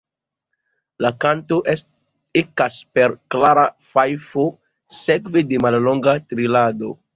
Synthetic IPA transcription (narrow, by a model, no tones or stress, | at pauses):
lakanto̞ʔ | ekaspeɾklaɾafajfo | sekvedemallo̞ŋɡatɾilado̞̰